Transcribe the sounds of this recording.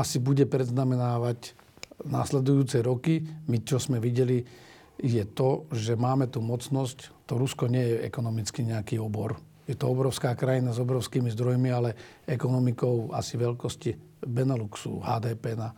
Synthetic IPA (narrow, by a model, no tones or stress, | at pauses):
asibuɟɛpɾɛd̪znamɛnaːʋac | na̰slɛd̪ujuːt͡sɛɾɔkimit͡ʃɔzmɛʋiɟɛli | jɛt̪ɔʒɛmaːmɛt̪uːmɔt͡snɔsct̪ɔɾuskɔɲɪɛjɛɛ̰kɔnɔmit͡skiɲɛakiɔbɔɾ | jɛt̪ɔɔbɾɔʊskaːkɾajinazɔbɾɔʊskiːmizd̪ɾɔjmialɛɛkɔnɔmikɔʊa̰siʋɛʎkɔsci | bɛnɛluksṵɦa̰ːd̪ɛːpɛna